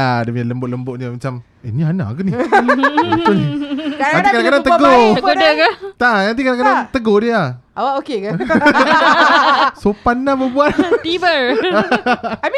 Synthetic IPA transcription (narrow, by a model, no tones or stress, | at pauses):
adəmiɲaləmbʊʔ̚ləmbʊʔ̚ɲəmat͡ʃam | eniana̰kəni | ut̪ʊ | antikadakadaŋt̪əɡoɡodəkat̪anant̪̬ikadakadaŋt̪əɡohdia | awaʔokeka | sopanːabəbuat̪t̪ibə